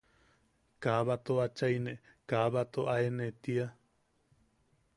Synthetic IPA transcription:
kaβat̪oat͡ʃajne | kaβat̪oʔaenet̪ia

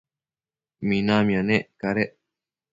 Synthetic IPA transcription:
minamĩãneʔkaɾeʔ

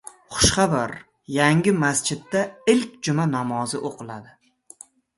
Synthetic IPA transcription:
χʊ̥ʃχɑbaɾ | jaŋɡʲɪmast͡ʃɪd̪ːaɪlkʲd͡ʒʊmanamɒzɪʔoqʰɨlˠad̪ɪ

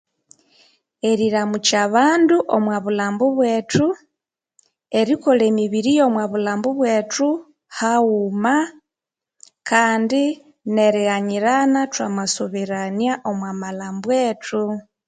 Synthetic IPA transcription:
eɾiɾamut͡ʃaβaːnduʔomwaβulaːmbuβwe̞ːtu | eɾikoleːmiβiɾijo̞mwaβulaːmbuβwetu | hauma | kʰaːndi | ne̞ɾiɣaɲiɾanatwamwasoβiɾaniaʔo̞mwamalaːmbweːtʰu

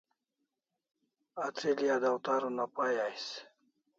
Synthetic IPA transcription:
at͡s̪ʰilijad̪awt̪aɾunapajajs

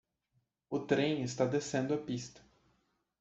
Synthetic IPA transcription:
ʊt̪ɾẽj̃ɪst̪ad̪esẽnd̪ʊɐpist̪ɐ̥

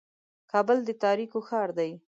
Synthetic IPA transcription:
kɑbəld̪ət̪ɑɾikoxɑɾd̪aj

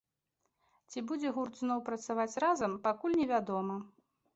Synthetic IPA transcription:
t͡sʲibud͡zʲɛɣurd̪znɔwpɾɐt̪savat͡sʲrazɐmpakulʲnʲɛvʲad̪ɔmɐ

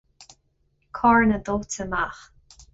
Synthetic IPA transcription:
kʰɔɹnəd̪otʰəmax

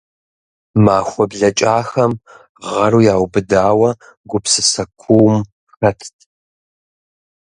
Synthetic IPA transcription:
maːxʷɔbɮɐt͡ʃʼaːxɐm | ʁɐɾuːjaːwbɨdaːwɐ | ɡʷʊpsɨsɐkʷʰuːm | xɐtʰtʰ

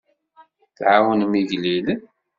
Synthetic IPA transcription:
θʕawənmiʝlil

